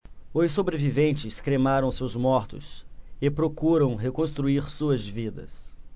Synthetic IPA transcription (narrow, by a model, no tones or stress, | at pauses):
osobɾevivẽnt͡ʃɪskɾemaɾɐ̃w̃sewzmɔɾt̪ʊ̰sɪpɾokuɾɐ̃w̃ɦekõst̪ɾuiɾsuɐzvid̪ɐ̰s